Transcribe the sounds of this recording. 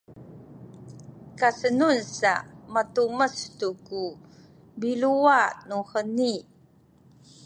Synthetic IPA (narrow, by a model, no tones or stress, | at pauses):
kasənunsa̰matuməstuku | biluanuhəni